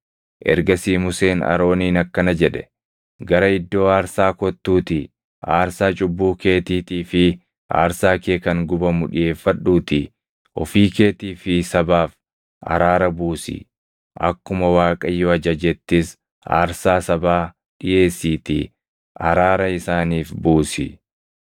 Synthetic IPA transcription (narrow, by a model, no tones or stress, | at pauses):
ʔɛ̰ɾɡɐsiːmʊseːnɐ̰ɾo̞ːniːnɐkːɐnɐd͡ʒɛᶑɛ̥ | ɡɐɾɐɪd̪ːo̞ːaːɾsaːkɔt̪ːuːt̪ɪ | a̰ːɾsaːt͡ʃʼʊbːuːke̞ːt̪iːt̪iːfɪ | ʔa̰ːɾsaːkeːkɐŋɡʊbɐmʊᶑɪje̞ːfːɐɗːuːt̪ɪ | ʔɔfiːke̞ːt̪iːfɪsɐbaːf | ɐ̰ɾaːɾɐbuːsḭ | ʔɐ̰kːʊmɐwaːkʼɐjːɔɐd͡ʒɐd͡ʒɛt̪ːɪs | a̰ːɾsaːsɐbaː | ɗɪje̞ːsːiːt̪ḭː | ɐ̰ɾaːɾɐɪsaːniːfbuːsḭ